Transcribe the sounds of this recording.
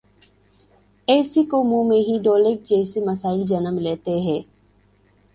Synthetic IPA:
eːsikomũːmẽɦiɖoːlek̚d͡ʒeːsimɐsaːɪld͡ʒɐnəmleːt̪eɦɛː

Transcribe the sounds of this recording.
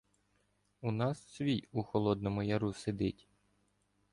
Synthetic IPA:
unɑssʲʋʲijuxɔlˠɔd̪nɔmʊjɐɾused̪ɪtʲ

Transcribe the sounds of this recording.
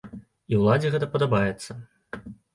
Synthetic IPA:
iwlˠad͡zʲiɣɛt̪ɐpɐd̪ɐbajɛt̪sːɐ

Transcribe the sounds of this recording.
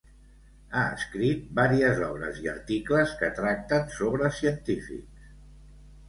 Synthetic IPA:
aə̰skɾit̪̚baɾiəzɔβɾə̰ziə̰ɾt̪ikləskət̪ɾak̚t̪ənsoβɾəsiənt̪ifḭk

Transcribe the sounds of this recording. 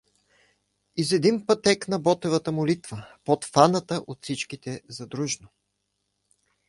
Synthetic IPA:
izɛd̪impɐt̪ɛknɐbɔt̪ɛvət̪əmolit̪vəpot̪fanət̪əʔot̪fsit͡ʃkit̪ɛzɐd̪ɾuʒno

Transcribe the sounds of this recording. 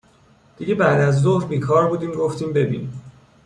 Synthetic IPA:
d̪̥iɟe̞bæʔd̪æzzohɾbiːkʰɒːɾbuːd̪iːmɡo̞ft̪ʰiːmbe̞bḭːni

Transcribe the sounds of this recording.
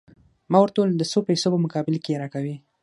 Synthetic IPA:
mɑwaɾt̪old̪əsopajsopəmʊkɑbɪlkejeɾɑkawi

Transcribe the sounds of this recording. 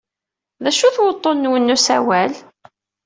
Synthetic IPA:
ðæʃuθwət̪ˤːonːwənːusæwæl

